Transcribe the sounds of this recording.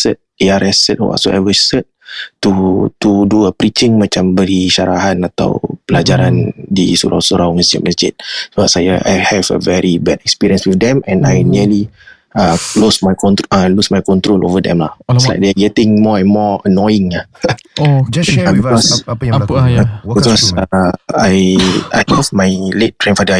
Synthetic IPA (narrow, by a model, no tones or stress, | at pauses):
sət̚iaɾɛsət̚wa̰so̰ʔa̰jvəsət̚ | tut̪uduəpɾit͡ʃɪŋmat͡ʃambəɾiʃaɾaɦanat̪a̰wpəlad͡ʒaɾandisṵɾʔa̰wsuɾawməsd͡ʒɪ̰ʔ̚məsd͡ʒɪ̰t̪̚səbap̚sajaʔa̰jhɛvə̰vɛɹibɛdɛkspiɾiə̃nswiθdɛ̃mɛ̃najniəli | əlosmajkɔ̃nt̪əlusmajkɔ̃nt̪ɾolʔovədɛ̰̃mla̰hsla̰jk̚dɛaɡɛtɪ̃ŋmɔɛ̃nmɔənɔjɪ̃ŋah | abikɔs | bikɔs | aja̰jhɛvmajlet̚tːɾẽnfadə